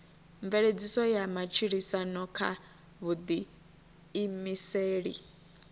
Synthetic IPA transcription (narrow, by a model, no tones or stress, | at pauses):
ɱvɛɺed͡zisɔjamat͡ʃʰiɺisanɔkʰa̰ | βud̪iː | miseːɺḭ